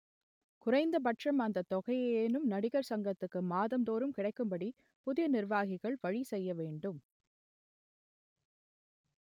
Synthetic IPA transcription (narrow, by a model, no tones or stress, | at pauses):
kʊɾɐɪnd̪ɐpɐʈrɐmaːnd̪ɐt̪ɔɣɐjeeːnɯmnɐɽɪɣɐɾsɐŋɡɐt̪ːɯkːɯmaːðɐmd̪oːɾɯmkɪɽɐɪkːɯmbɐɽi | pʊðɪjɐnɪɾʋaːɣɪɣɐɭʋɐɻisɛjːɐʋeːɳɖɯm